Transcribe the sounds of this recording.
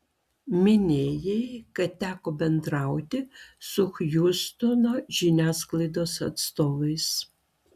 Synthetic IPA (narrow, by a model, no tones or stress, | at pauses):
mʲɪnʲeːjɛɪkɐtt̪ʲæːkoːbʲɛnd̪ɾɑˑʊt̪ʲɪsʊxjust̪ʊnoːʒʲɪnʲæːsklˠɐɪd̪oːsɐ̰t̪st̪oːʋɐɪs